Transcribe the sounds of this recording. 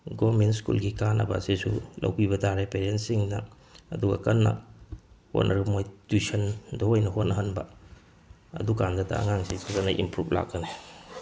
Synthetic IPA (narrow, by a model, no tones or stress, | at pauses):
ɡomentskṵlɡikanɐ̰bɐ̰sisulɐ̰wpiβɐdaɾepeɾensiŋnɐ | ɐ̰duɡɐ̰kɐnːɐ̰ | ho̰tnʔɐɾumojtisɐndoojnɐɦot̚nɐɦɐnbɐ | ɐ̰dukandɐtɐ̰ɐ̰ŋaŋsisʰazɐnɐʔḭmpɾupʰla̰k̚ːɐne